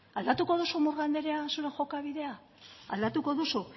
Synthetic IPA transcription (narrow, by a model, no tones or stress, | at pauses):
ald̪at̪uko̞ð̞usumuɾɣand̪e̞ɾeasuɾe̞ŋxo̞kaβ̞iðe̞a | a̰ld̪at̪uko̞ðusu